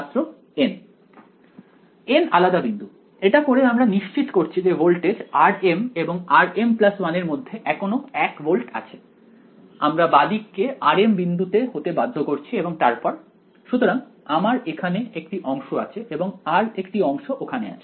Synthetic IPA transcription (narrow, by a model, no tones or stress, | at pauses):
t̪ːɾo | en | enalad̪abind̪ʱu | eʈakoɾeamɾaniʃt͡ɕit̪koɾt͡ɕʰid͡ʑebolʈed͡ʑaɾemeboŋaɾemplaswaneɾmod̪ʱːeʔɛkʰonoɛkbolʈa̰t͡ɕʰe | a̰mɾabad̪ikːeʔaɾembind̪ʱut̪eɦot̪ebad̪ʱːokoɾt͡ɕʰieboŋt̪aɾpɔɾ | ʃut̪oɾaŋamaɾekʰaneekʈiʔɔŋʃoat͡ɕʰeʔeboŋaɾekʈiɔŋʃoʔokʰanḛa̰t͡ɕʰe̥